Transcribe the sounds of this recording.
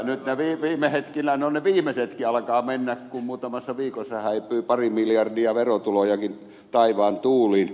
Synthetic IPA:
nyt̪neʋiːʋiːmehet̪kinænoneʋiːmeset̪kiɑlkɑːmenːækkummuːt̪ɑmɑsːɑʋiːkosːɑhæipˑyːpɑrimiljɑrdiɑʋerot̪ulojɑkin | t̪ɑiʋɑːnt̪uːliːn

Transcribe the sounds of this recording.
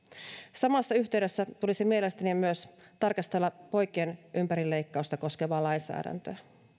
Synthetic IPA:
sɑmɑsːɑyçt̪eɥde̞sːæt̪ulisimie̞le̞st̪ænimyøst̪ɑrkɑst̪elːɑpo̞jk̟ˑeːnʔympæɾilːe̞jkːɑust̪ɑko̞ske̞ʋɑːlɑjnsæ̰ːdæ̰nt̪øː

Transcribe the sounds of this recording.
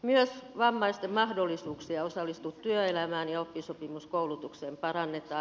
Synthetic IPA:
myøsʋɑmːɑist̪emmɑhdolːisuːksiɑosɑlːist̪ut̪t̪yøelæmæːnjɑopːisopimuskoulut̪ukseːmpɑrɑnːet̪ˑɑː

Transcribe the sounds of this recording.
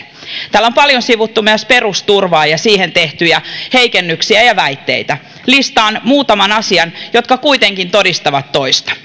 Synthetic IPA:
t̪æːlːo̞mpɑljonsiʋut̪ːumyøspe̞rust̪urʋɑːjɑsiːhe̞nt̪e̞ht̪yjæhe̞ikenːyksiæjɑʋæit̪ːe̞it̪æ | list̪ɑːnmuːt̪ɑmɑnɑsiɑnjo̞t̪kɑkuijt̪eŋkint̪o̞dist̪ɑʋɑt̪ːo̞ist̪ɑ̥

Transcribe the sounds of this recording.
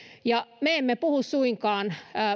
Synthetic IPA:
jɑmeemːepuhussuiŋkɑːnː

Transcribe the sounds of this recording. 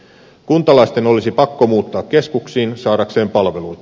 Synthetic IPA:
kunt̪ɑlɑist̪e̞no̞lisipɑkːo̞muːt̪ːɑːkke̞skuksiːnsɑːɾɑkse̞ːmpɑlʋe̞lujt̪ɑ̥

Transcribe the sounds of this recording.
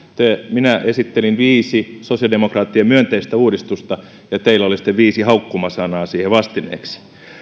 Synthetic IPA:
t̪eminæʔesit̪ːelinʋiːsisosijɑldemokrɑːt̪ːiemyønt̪eist̪æuːdist̪ust̪ɑ | jɑt̪eilːˑæolisi̥t̪ːeʋʋiːsihɑukːumɑsɑnɑːsiːheʋɑst̪inḛːksi̥

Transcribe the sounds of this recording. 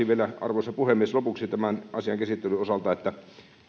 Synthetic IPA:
iʋielæɑ̰rʋoˑisːɑpuhemːˑieslopuksit̪æmænʔɑsiɑŋkæsit̪ːelyosɑlt̪ɑet̪ːæ

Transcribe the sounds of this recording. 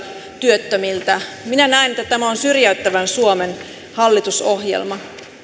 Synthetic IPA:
t̪yøt̪ːømilt̪æminænæinet̪ːæt̪æmæonsyrjæyt̪ːæʋænsuomen | hɑlːit̪uso̞hjḛlmɑ

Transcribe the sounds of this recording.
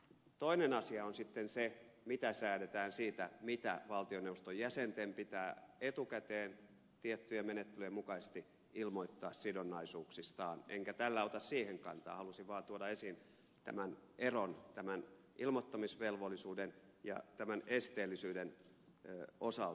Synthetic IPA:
t̪oinenɑsiɑonsit̪ːensemit̪æsæːdet̪æːnsiːt̪æmit̪æ̰ʋɑlt̪ioneust̪ojæsent̪empit̪æːet̪ukæt̪eːn | t̪iet̪ːyjemenet̪ːelyjemukɑsest̪i | ilmoit̪ːɑːssidonːɑisuːksist̪ɑːnʔeŋkæt̪ælːæot̪ɑssiːheŋkɑnt̪ɑ̰ːhɑlusiʋʋɑːt̪uodɑesin | t̪æ̰mænʔeront̪æmæn | ʔilmot̪ːɑmisʋelʋolːˑisuːden | jɑ̰t̪æmænest̪eːlːisyːden | osɑl

